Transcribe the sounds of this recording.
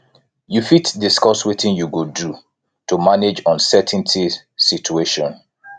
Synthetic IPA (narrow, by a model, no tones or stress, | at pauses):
jufitdiskɔswitĩnjuɡodu | tumaned͡ʒɔ̃nsɛtʰɛ̃n̩tʰi | sit͡ʃueʃɔ̃n